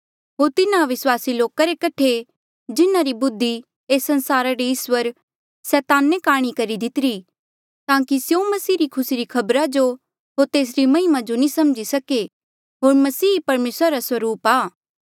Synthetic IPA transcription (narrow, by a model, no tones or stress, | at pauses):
ɦoːɾt̪ɪnaʋɪswaːsiloːkaɾekɐʈʰe | d͡ʒɪnaɾibʊd̪ʱːi | eːsɐ̃nsaːɾaɾiɪswəɾ | sɛːt̪aːnekaːɽ̃ikɐɾid̪ɪt̪ɪɾi | t̪ãːkisjomɐsiːɾikʰʊsiɾikʰɐbɾad͡ʒo | ɦot̪eːs̬ɾimɐɦɪmad͡ʒonĩsɐmd͡ʒisɐke | ɦoːɾmɐsiːpɐɾmeːsɾaɾaswɐɾuːpaː